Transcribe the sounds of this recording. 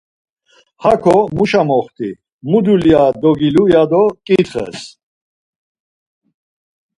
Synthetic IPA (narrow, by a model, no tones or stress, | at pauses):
hakʰɔmuʃamɔχt̪ʰi | mud̪uliad̪ɔɡilujad̪ɔkʼit̪χɛ̰s